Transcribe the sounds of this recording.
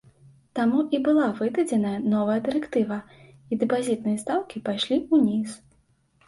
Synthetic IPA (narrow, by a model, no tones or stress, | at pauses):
t̪amuʔibɨlˠavɨd̪ɐd͡zʲɛnɐjɐnɔvɐjɐd̪ɨɾɛkt̪ɨvɐ | id̪ɨpazʲit̪̚nɨjɐst̪awkʲipajʂlʲiunʲis